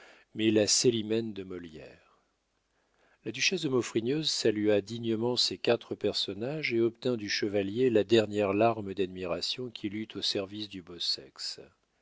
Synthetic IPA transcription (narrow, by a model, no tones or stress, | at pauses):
mɛlaselimɛnd̪əmɔljɛ̰ːʁ | lad̪yʃɛsd̪əmɔfχinøzsalyad̪iɲəmɑ̃sekʲat̪χəpɛʁsɔnaʒeɔp̚t̪ɛ̃d̪yʃəvaljelad̪ɛʁnjɛʁlaʁməd̪ad̪miʁasjɔ̃kʲʰilyt̪ʰosɛʁvisd̪ybosɛ̰ks